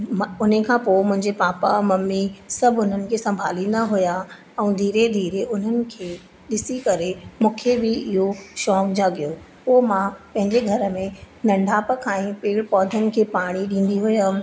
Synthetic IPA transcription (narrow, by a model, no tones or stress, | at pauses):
ʊn̤əkʰãːpoːmʊ̃ɦɪ̃ɲd͡ʑepaːpamɐmːisɐbʱʊn̤ənɪ̆kʰeːsɐ̃mbʱaːlĩːn̆d̪aɦʊja | ɛ̃ːd̪ʱiːɾed̪ʱiːɾeʊn̤ənɪ̆kʰeː | ɗɪsikɐɾemũːkʰebɪɪɦoʃɔːkd͡ʑaːɠijo | poːɦmãpɐ̃ɦɪ̃ɲd͡ʑeɡʱɐɾəmẽ | nɐ̃ɳɖʱaːpəkʰãːĩpiːɽpɔːd̪ʱənɪ̆kʰeːpaːɽ̃iɗĩːn̆d̪iɦʊjaː